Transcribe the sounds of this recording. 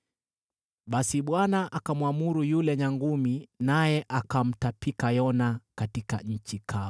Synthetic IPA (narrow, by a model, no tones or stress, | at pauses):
ɓasiɓwanaʔakamwamuɾujulɛɲaŋɡuminajɛʔakam̩tapikajɔnakatika̰ɲ̩t͡ʃikʰa